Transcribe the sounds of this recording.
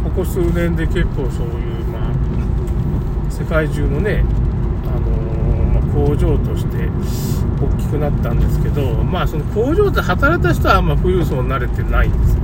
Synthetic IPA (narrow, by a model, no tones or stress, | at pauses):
ko̞ko̞sɨːnẽ̞nd̪e̞ke̞kːo̞ːso̞ːjɯ̟ːma | se̞kaiʑɨːno̞ne̞ | ano̞ | makʰo̞ːʑo̞ːt̪o̞ɕi̥t̪e̞ | okʲːi̥kɯ̟nat̪ːãnd̪e̞sɨ̥ke̞d̪o̞maːso̞no̞ko̞ːʑo̞ːt̪ehat̪aɾait̪aɕi̥t̪o̞βamaɸɯ̟ɾɯːsoːɲʲnaɾe̞t̪e̞naĩnd̪̥esɨ̥